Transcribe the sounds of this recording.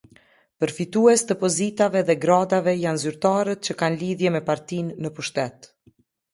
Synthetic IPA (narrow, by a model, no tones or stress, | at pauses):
pəɾfit̪uɛst̪əpɔzit̪avɛðɛɡɾad̪avɛjanzyɾt̪aɾət̪̚t͡ɕəkanliðjɛmɛpaɾt̪inːəpuʃt̪ɛt̪